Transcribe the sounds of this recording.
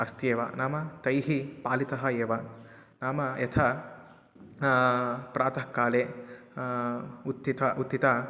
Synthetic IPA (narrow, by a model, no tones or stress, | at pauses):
ɐst̪jeːʋɐ̰naːmɐt̪ɐjɦipaːlit̪ɐɦɐeːʋɐ | naːmɐjɐt̪ʰɐ | pɾaːt̪ɐɦkːaːleː | ut̪ːit̪ɐʔut̪ːit̪a